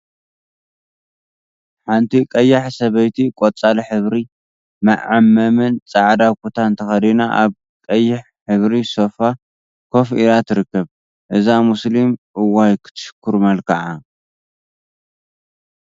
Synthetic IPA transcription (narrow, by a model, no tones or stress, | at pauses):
ħant̪ʰikʼɐjːaħsɐβɐjt̪ʰikʼot͡sʼalħɨβɾi | mɐ̰ʔʕamːɐmɨnt͡sʼaʕd̪akʰot̪ʰant̪ʰɐxɐd̪ina̰ʔaβ | kʼɐjːɪħ | ħɨβɾiso̞fa | kʰo̞fʔiɾat̪ʰɨɾɨkːɐβ | ʔɨzamuslimʔɨwːajkʰɨ̥t̪ʰɨ̥ʃɨ̥kʰːuɾmɐlkʰɐʕa